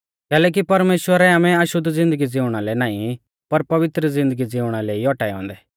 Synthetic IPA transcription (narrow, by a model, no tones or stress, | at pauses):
kɛːlɛːk̬ipɐɾmeːʃwəɾɛaːmɛ̃ɐʃʊd̪ʱd͡zɪ̃nd̪əɡid͡zɪʊ̃ɽ̃alɛnaːĩ | pɐɾpɐʋɪt̪ɾəzɪ̃nd̪əɡid͡zɪʊ̃ɽ̃aleiɔʈaːɛɔ̰̃ːnd̪ɛː